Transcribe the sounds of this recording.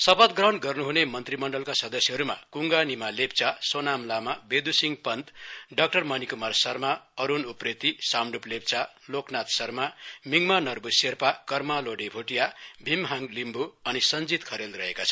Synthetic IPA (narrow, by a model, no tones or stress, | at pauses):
sʌpʌt̪̚ɡrʌɦnɡʌrnuɦunemʌnt̪rimʌɳɖʌlkasʌd̪ʌsjeɦʌɾuma̰kuŋɡanimalep̚t͡sasonamlamabed̪usiŋɡpʌnd̪ɖʌk̚ʈʌrmʌnikumarsʌrmaʌɾunupret̪isamɖuplep̚t͡sa | loknat̪sʌrmamiŋmanʌrbuserpakʌrmaloɽebʱoʈijabʱimɦaŋlimbuʌnisʌnd͡zit̪kʰʌɾelrʌɦekat͡sʰʌ